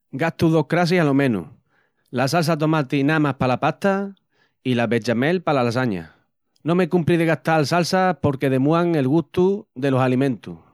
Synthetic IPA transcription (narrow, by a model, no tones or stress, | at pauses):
ɡat̪uðo̞hkɾas̬ihalo̞mẽ̞nṵ | las̬als̬at̪̬o̞mat̪inamahpalapat̪a | ilaβe̞t͡ʃame̞lpalalasaɲa̰ | nõ̞mekumpɾiðeɣaht̪alsalsapo̞ɾke̞ðe̞muaŋe̞lɣust̪uðe̞lo̞salimẽnt̪u